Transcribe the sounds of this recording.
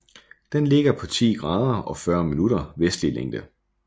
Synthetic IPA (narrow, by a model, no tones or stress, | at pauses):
d̥enle̝ɡ̥ɐpʰɒ̽t͡sʰḭːɡ̥ʁɑ̈ːðˠɐɒ̽fɶɐminuɾɐʋesd̥lileŋ̰d̥ə